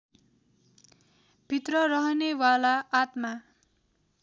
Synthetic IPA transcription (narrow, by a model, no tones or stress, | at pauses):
b̥ʱit̪rʌrʌɦʌnewalaːt̪ma